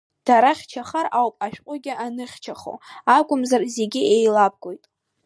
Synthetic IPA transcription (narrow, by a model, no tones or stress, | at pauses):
d̥aɾaχʲt͡ʃʰaχaɾawpʼaʃᶣqʷʼʊɡʲɪʔanɨχʲt͡ʃʰaχo̰akʷʼʊmzarze̞ɡʲɪejlab̚ɡʷo̞jtʼ